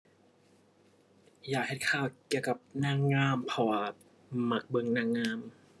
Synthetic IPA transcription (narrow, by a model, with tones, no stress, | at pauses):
jaː˨˩k̚he˨˩t̪̚kʰaː˧˩wki˧˩əwka˧˩p̚naː˧˥˨ŋŋːaː˧˥˨mpʰɔ˧˩wa˧˩ | ma˧˩k̚bɤ˧ŋnaː˧˥˨ŋŋaː˧˥˨m